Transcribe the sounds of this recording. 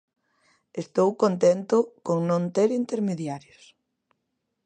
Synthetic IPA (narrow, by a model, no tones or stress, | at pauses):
est̪owkont̪ent̪ʊkoŋnõnt̪eɾint̪eɾmeðjaɾjos